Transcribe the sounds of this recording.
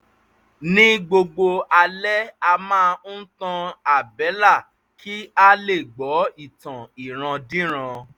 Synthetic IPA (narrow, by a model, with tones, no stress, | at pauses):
nĩ˦ɡ͡bo˧ɡ͡bo˧a˧lɛ˦a˧mãː˦n̩˦tã˧a˨bɛ˨˦la˦˨ | ki˦a˦le˦˨ɡ͡bɔ˨˦i˦˨tã˨i˨ɾ̃ã˧dĩ˦ɾ̃ã˧